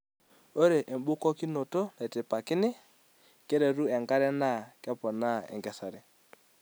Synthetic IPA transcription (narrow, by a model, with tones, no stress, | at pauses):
o˦ɾe˨ʔɛ˨mbʊ˦kɔ˦ki˦no˨to˦nɛ˨tɪ˨pa˨kɪ˦nɪ˦ | kɛ˦ɾɛ˨ɾu˦ɛ˨ŋɡa˦ɾɛ˦na˦˨kɛ˦pɔ˨na˦ɛ̰˨ŋɡɛ˨sa˨ɾɛ˨